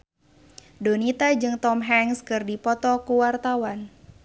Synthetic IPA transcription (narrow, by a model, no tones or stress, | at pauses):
donit̪ad͡ʒɨŋt̪ɔmɦɛŋskɨrdipɔt̪ɔkuwart̪awan